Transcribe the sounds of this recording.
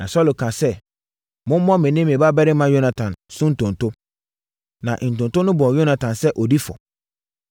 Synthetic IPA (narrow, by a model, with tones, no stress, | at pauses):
nã˨sɔ˦lo˨kʰã˨sɛ˦ | mʊ̃˦m˦mɔ̃˦mɪ̃˨nɪ̃˦mẽ˨ba˦bɛ˦ɾɪ˦mã˦jo˦nã˨tʰã˨nsʊ̃˦n̩˨tʰʊ̃˨n˨tʰʊ˦ | nã̰˨ʔn̩˨tʊ̃˨ntʊ˦nʊ̃˦bɔ̃˨jo˦nã˨tʰã˨nsɛ˦ʔɔ˨di˦fɔ̰˨